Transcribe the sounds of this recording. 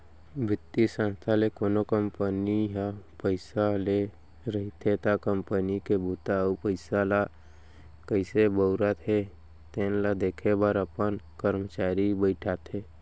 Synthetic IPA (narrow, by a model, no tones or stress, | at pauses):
bʱɪt̪ːisə̃nst̪ʰalekoːnokəmpəniɦapəɪsale | ɾəɦit̪ʰet̪akəmpənikebut̪apəɪsala | kəɪsebəʊɾat̪ʰe | t̪eːnlad̪eːkʰebəɾəpənkəɾmət͡ʃaːɾibəɪʈʰat̪ʰeː